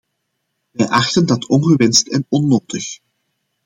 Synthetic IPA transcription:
ʋɛjʔɑxtəndɑtʰɔnɣəʋɛnstɛnɔnːoːtəx

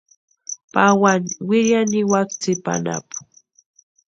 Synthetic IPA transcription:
pawanwɪɾjanɪwakt͡sɪpa̰na̰pʊ̥

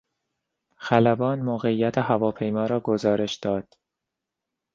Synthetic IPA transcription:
xælæbɒːnmoːɣeijːæt̪ʰeɦævɒːpʰe̞jmɒːɾɒːɡozɒːɾe̞ʃd̪̥ɒːd̪̥

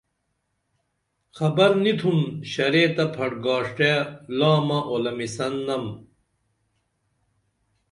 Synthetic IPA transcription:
xɐbɐɾnit̪ʰunɕɐɾeːt̪ɐpʰɐɽɡaːʂʈelaːmɐʔolɐmisɐnːɐm

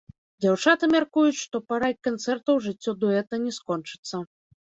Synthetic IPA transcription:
d͡zʲawt͡ʂat̪ɨmʲarkujut͡sʲʂt̪ɔpaɾakant̪sɛrt̪ɐwʐɨt͡sʲːɔd̪ɔɛt̪ɐnʲɛskɔnt͡ʂɨ̥t̪sːɐ

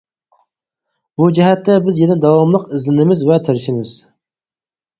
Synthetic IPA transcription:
bud͡ʒɛɦɛt̪ːɛbɪzjed̪ɪd̪ɑwɑmlˠəqɪzlɪnɪmɪzvɛt̪ʰɪɾɪʃɪmɪz̥

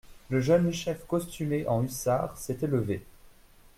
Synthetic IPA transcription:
ləʒənʃɛfkɔst̪ymeʔɑ̃ysaʁsɛt̪ɛləve

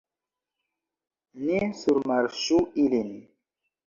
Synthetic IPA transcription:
nisuɾmaɾʃuilin

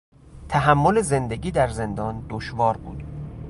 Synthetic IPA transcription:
t̪ʰæɦæmːole̞ze̞nd̪eɡiːd̪æɾze̞nd̪ɒːnd̪oʃvɒːɾbṵːd̪̥

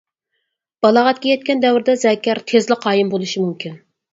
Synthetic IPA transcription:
b̥ɑlˠɑʁɑt̪̚kʲɛjɛt̪̚kʲɛnd̪ɛwɾd̪ɛzɛkʲːɛɾt̪ʰezlɪqʰɑːjɪmbolˠuʃimumkʲʰin

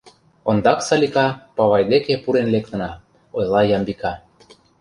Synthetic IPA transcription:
ond̪ɑksɑlʲikɑpɑβɑjd̪ekepuɾenlek̚t̪ə̆nɑ | ojlˠɑjɑmbikɑ

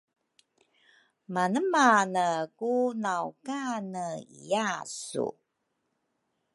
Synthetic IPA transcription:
manəmanəkunawkanəḭjasṵ

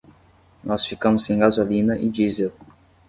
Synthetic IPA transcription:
nɔsfikɐ̃mʊsẽj̃ɡazolĩnɐʔɪd͡ʒize

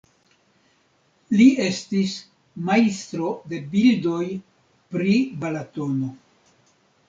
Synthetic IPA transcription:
lie̞stis | majst̪ɾo̞de̞bildo̞j | pɾibalato̞no̞

